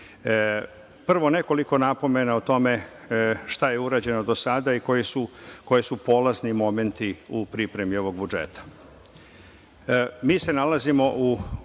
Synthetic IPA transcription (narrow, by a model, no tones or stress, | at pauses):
pr̩ʋo̞ne̞ko̞liko̞napo̞me̞naut̪o̞me̞ | ʃt̪aje̞uɾaːd͡ʑe̞nod̪o̞sad̪aiko̞jesuko̞jesupo̞laznimo̞me̞nt̪iupɾipɾe̞mio̞ʋo̞ɡ̚bud͡ʒḛt̪ḁ | miːse̞nalazimo̞ʔu